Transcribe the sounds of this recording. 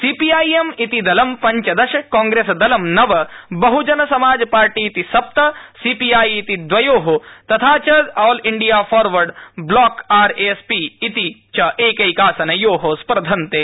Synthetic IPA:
siːpijaːjemit̪id̪ɐlɐmpɐɲt͡ʃɐd̪ɐʃɐaːŋɡɾeːsɐd̪ɐlɐmnɐʋɐbɐɦud͡ʒɐnɐsɐmaːd͡ʒɐpaːɾʈiːt̪isɐp̚t̪ɐsiːpijaːjit̪id̪ʋɐjoːɦot̪ɐt̪ʰaːt͡ʃɐzaːliɳɖijaːfʰɔːɾʋɐɾɖblaːkaːɾespiːt̪it͡ʃɐʔeːkɐjkaːsɐnɐjoːɦospɐɾd̪ʱɐnt̪eː

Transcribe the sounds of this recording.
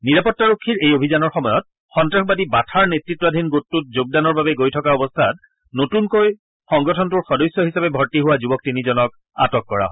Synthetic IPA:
niɹapɔtːaɹokʰːiɹejobʱizanɔɹxɔmɔjɔt̚ | xɔntɹaxbadibatʰaɹnetɹitːɔadʱinɡotːut̚zoɡ̚danɔɹbabɛɡojtʰɔkaɔbɔstʰat̚ | notunkoj | xɔŋɡɔtʰɔntuɹxɔdɔjsjɔɦisapɛbʱɔɹtiɦʊwazubɔk̚tinizɔnɔk̚ | a̰tɔkːɔɹa̰ɦɔj

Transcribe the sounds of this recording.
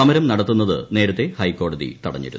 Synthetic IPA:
ɐmɐɾɐmnɐɽɐt̪ːunːɐðɨ̰ne̞ːɾɐt̪ːe̞hɐjkːo̞ːɽɐðḭt̪ɐɽɐɲːḭɾṵnː

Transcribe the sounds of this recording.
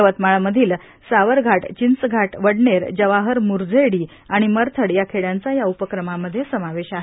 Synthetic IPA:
ʋət̪maɭməd̪ʱiːl | saʋəɾɡʱaʈt͡ɕint͡sɡʱaʈʋəɽɳeɾd͡ʑəʋaɦəɾmuɾd͡zəɽiː | aɽ̃iməɾt̪ʰəɽjakʰeɭjant͡sajaupəkɾəmaməd̪ʱːjesəmaʋeɕaɦe

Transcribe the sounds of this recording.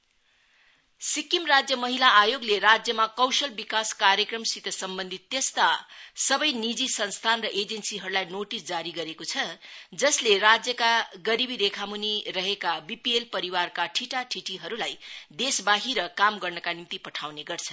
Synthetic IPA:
sikimrad͡zjʌmʌɦilaːjoɡleɾad͡zjʌmakʌwsʌlbikaskaɾjʌkrʌmsit̪ʌsʌmbʌnd̪ʱit̪ːjest̪asʌbʌjnid͡zisʌnst̪ʰanrʌʔed͡zensiɦʌɾulajnoʈisd͡zaɾiɡʌɾekot͡sʰʌd͡zʌslerad͡zjʌkaɡʌɾibiɾekʰamunirʌɦekabipielpʌɾiwarkaʈʰiʈaʈʰiʈiɦʌɾulajd̪esbaɦiɾʌkamɡʌrnʌkanimt̪ipʌʈʰawneɡʌrt͡sʰʌ

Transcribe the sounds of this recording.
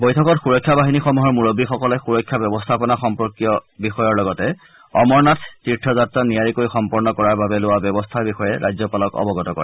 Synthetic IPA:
bojtʰɔkɔtxuɹɔjkʰːjabaɦinixɔmuɦɔɹmuɹobːixɔkɔlɛxuɹɔjkʰːabjɔbɔstʰapɔnaxɔmpɔɹkijɔbixɔjɔɹlɔɡɔtɛ | ɔmɔɹnatʰtitʰːɔzatɹɔnijaɹikoɹixɔmpɔɹnɔkɔɹaɹbabɛlʊwabjɔbɔstʰaɹbixɔjɛɹʔajzɔpalɔkɔ̰bɔɡɔtɔkɔ̰ɹɛ

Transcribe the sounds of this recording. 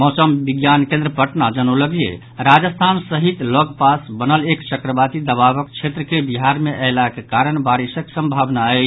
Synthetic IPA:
mɔsəmbiɡjankẽnd̪ɾəpəʈnad͡ʒənoləɡiḛ | ɾad͡ʒəst̪ʰansəɦit̪loɡpasbənəlekt͡ʃəkɾəbat̪id̪əβaβəkt͡ʃʰet̪ɾəkebiɦaɾmeʔəɪlakekaɾəɳbaɾisəksə̃mbʱabnaə

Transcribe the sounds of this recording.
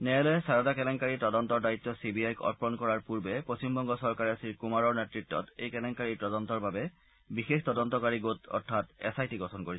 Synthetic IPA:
nɛɛlɔsaɹɔdakɛlɛŋkaɹitɔdɔntɔɹdaitːɔsibiajkɔ̰t̚pɔnkɔɹaɹpuɹbɛpɹosimbɔŋɡɔsɔɹkaɹɛsiɹkumaɹɔɹnɛtɹitːɔ̰tejkɛlɛŋkaɹitɔdɔntɔɹbabɛ | bixextɔdɔntɔkaɹiɡotɔ̰ɹtʰːatɛ̰sajtiɡɔtʰɔnkoɹi

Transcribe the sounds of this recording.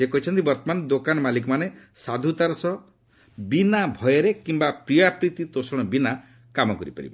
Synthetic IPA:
ekɔɦit͡ʃʰɔnt̪ibɔɾt̪ɔmanɔd̪okanɔmalikɔmanesad̪ʱut̪aɾɔsɔ | binabʱɔjeɾekimbapɾiapɾit̪it̪osɔɽ̃ɔbina | kamɔkɔɾipa̰ɾḭba

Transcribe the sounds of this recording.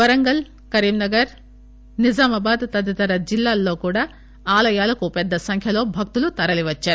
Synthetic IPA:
ʋɐɾɐŋɡɐl | kɐɾiːmnɐɡɐɾ | nid͡ʒaːmɐbaːd̪t̪ɐd̪jɐt̪ɐɾɐd͡ʒilːaːlːo̞ːkuːɽaː | aːlɐjaːlɐkupɛd̪ːɐsɐŋkʰjɐlo̞ːbʱɐk̚t̪ulut̪ɐɾɐliʋɐt͡ʃːaːɾu

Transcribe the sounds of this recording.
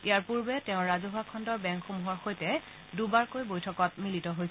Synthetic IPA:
ijaɹpuɹbɛtɛʊ̃ɹazoɦakʰɔndɔɹbɛŋkxomuɦɔɹxojtɛ | dubaɹkojbojtʰɔkɔt̚militɔɦojs

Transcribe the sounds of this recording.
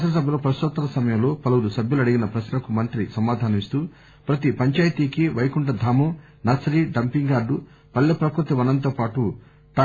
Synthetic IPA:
sɐs̬ɐbʱjɐloːpɾɐst̪ɔt̪ːɐlɐsɐmɐjɐmlo̞ːpɐlɐwulusɐbjulɐɽiɡinɐpɾɐsnɐkumɐnt̪ɾisɐmaːd̪ʱaːnɐist̪uː | pɾɐt̪ipɐɲt͡ʃaːjt̪iːkiʋɐjkuɳɖɐd̪ʱaːmo | nɐsɐɾiːɖɐmpiŋɡaːɖu | pɐlːɐpɾɐkɾut̪iʋɐnɐnt̪oːpaːʈu | ʈaː

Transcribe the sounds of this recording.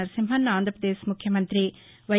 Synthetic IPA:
ɐɾsimɦɐnːaːnd̪ɾɐpɾɐd̪eːʃmukʰjɐmɐnt̪ɾi | ʋɐ

